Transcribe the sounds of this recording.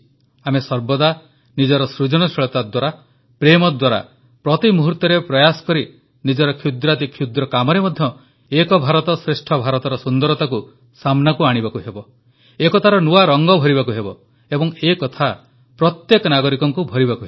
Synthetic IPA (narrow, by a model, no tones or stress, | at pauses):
amesɔɾbɔd̪a | nid͡ʒɔɾɔsɾud͡ʒɔɽ̃ɔseɭɔt̪ad̪waɾa | pɾemɔd̪waɾa̰ | pɾɔt̪imuɦuɾt̪ɔɾepɾɔjasɔ̥kɔɾi | nid͡ʒɔɾɔkʰjud̪ɾat̪ikʰjud̪ɾɔkamɔɾemɔd̪ʱjɔ | ekɔbʱaɾɔt̪ɔsɾesʈʰɔbʱaɾɔt̪ɔɾɔsund̪ɔɾɔt̪aku | samnakuaɽ̃ibakuɦebɔ | ekɔt̪ʰaɾɔnuwaɾɔŋɡɔbʱɔɾiβakuɦebɔ | ebɔŋekɔt̪ʰa | pɾɔt̪jekɔnaɡɔɾikɔŋkubʱɔɾibakuɦeb